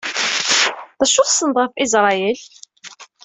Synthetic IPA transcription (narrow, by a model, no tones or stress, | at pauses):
ðæʃʊθsənd̪ˤʁəfɪzɾˤɑjəl